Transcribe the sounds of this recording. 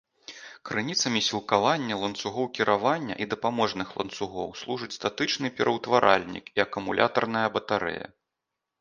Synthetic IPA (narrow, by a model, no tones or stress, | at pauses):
kɾɨnʲit̪sɐmʲisʲilˠkavanʲːɐlˠɐnt̪suɣɔwkʲiɾʔavanʲːɐ̰ʔid̪ɐpamɔʐnɨxlˠɐ̰nt̪suɣɔ̰wslˠuʐɨt͡sʲst̪at̪ɨt͡ʂnɨpʲɛɾʔɐwt̪vaɾʔa̰lʲnʲḭkiɐkumulʲʔa̰t̪ɐrnɐjɐbɐt̪aɾɛ̰jɐ̰